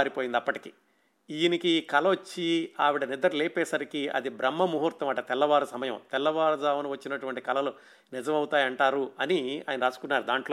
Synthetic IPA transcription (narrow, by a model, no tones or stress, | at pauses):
ɾipoːjind̪ɐpːɐʈi̥kḭː | ijnikikɐlɐʋot͡ʃːiaːʋiɽɐnid̪ɐɾulɛːpɛːsɐɾikiɐ̰d̪ibɾɐmːɐmuɦuɾt̪ɐmɐʈɐt̪ɛlːɐʋaːɾusɐmɐjɐmt̪ɛlːɐʋaːɾɐd̪aːʋɐnuʋɐt͡ʃːinɐʈuʋɐɳʈi̥kɐlɐlu | nid͡ʒɐmɐwut̪aːjɐɳʈaːɾuɐnia̰ːjɐnɐɾaːsu̥kunːaːɾud̪aːɳʈloː